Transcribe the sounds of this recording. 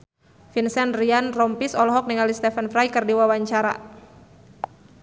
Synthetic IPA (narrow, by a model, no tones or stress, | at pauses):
finsɛnrianrɔmpisɔlɔɦɔk̚niŋalist̪ɛfɛnfɾajkɨrdiwawaɲt͡ʃaɾa̰